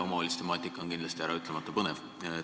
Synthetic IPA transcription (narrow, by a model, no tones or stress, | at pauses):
omɑolʲist̪e̞mɑːt̪ːˑikːˑɑonkind̪lɑst̪iæɾɑyt̪ːˑlemɑt̪ːɑpɤnev